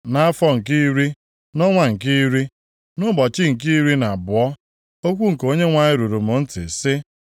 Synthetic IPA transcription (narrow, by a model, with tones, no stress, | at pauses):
na˦a˦fɔ˦ŋ̩˨ki˦ɾi˦ | nɔ˦ŋʷa˨ŋ̩˨ki˦ɾi˦ | nʊ˦bɔ˨t͡ʃɪ˦ŋ̩˨ki˦ɾi˦na˨bʊ˨ɔ˦ | o˦kʷu˦ŋ̩˨ko˦ɲe˦ŋʷa˨ɲɪ˦ɾu˨ɾu˨mʊ˨n̩˦tɪ̰˨sɪ˦